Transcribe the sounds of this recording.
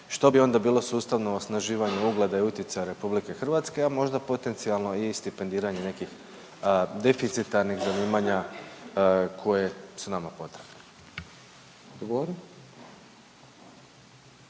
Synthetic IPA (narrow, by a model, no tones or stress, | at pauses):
ʃt̪o̞bio̞nd̪abiːlˠo̞suːst̪aʋnoosnaʒiːʋaɲuuɡled̪aiut̪jet̪sajaɾe̞publike̞xr̩ʋat̪ske̞amo̞ʒd̪apot̪e̞nt̪sialˠno̞ist̪ipe̞nd̪iːɾaɲene̞kix | d̪e̞fit̪sit̪aɾnixzaniːmaɲa | kʰo̞je̞sunamapo̞t̪ɾebne | d̪ɡoɾ